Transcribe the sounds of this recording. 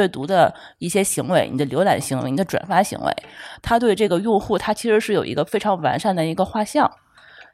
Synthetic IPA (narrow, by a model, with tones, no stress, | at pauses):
ɛ˥˩t̪u˧˥d̪ə˧ | i˥˩ɕjɛ˥ɕi˧˥ŋwe˧˥ɪni˨˩d̪ə˦ljo˧˥ʊla̰˨˩nɕi˧˥ŋwe˧˥ɪni˨˩d̪ə˦ʈ͡ʂwa̰˨˩nfa˥ɕḭ˧˥ŋwḛ˧˥ɪt̪ʰa˥t̪we˥˧ɪʈ͡ʂɤ˥˩ɡə˩jʊ˥˧ŋxu˥˩t̪ʰa˥t͡ɕʰi˧˥ʂɻ̩˧˥ʂɻ̩˥˩jo˨˩ʊḭ˧˥ɡə˧fe˥ɪʈ͡ʂʰɑ˧˥ŋwa˧˥nʂa˥˩nd̪ə˩i˧˥ɡə˧xwa˥˧ɕjɑ˥˩ŋ